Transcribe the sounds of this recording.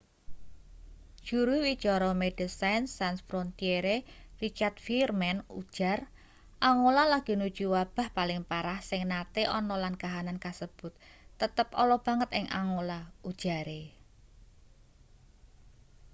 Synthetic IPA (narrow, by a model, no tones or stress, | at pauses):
d̥ʒ̥uɾuwit͡ʃɔɾɔmed̥əsajnsansfɾont̪ieɾerit͡ʃart̪̚firmɛnud̥ʒ̥a̤r | ʔaŋolalaɡ̥i̤nud̥ʒ̥uwab̥a̤hpalɪŋpaɾahsɪŋnat̪eʔɔnɔlankaɦanankasəb̥ʊ̤t̪ːət̪əpɔlɔb̥ä̤ŋət̪ɪŋʔa̰ŋolaud̥ʒ̥a̤ɾe